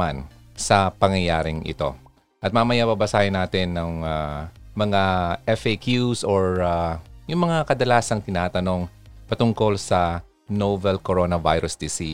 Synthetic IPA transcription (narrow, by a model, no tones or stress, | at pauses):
an | sɐpɐŋjɐjaːɾɪŋʔɪ̰t̪o̞̰ | ʔɐt̪̚mɐmɐjabɐbɐsaːhɪnaːt̪ɪnːɐŋamɐŋaʔɛfekjusoɹajʊŋmɐŋakɐd̪ɐlaːsɐŋt̪ɪnaːt̪ɐno̞ŋ | pɐt̪ʊŋko̞lsɐ | novɛlkoɾoːnɐvajɾʊsd̪ɪsi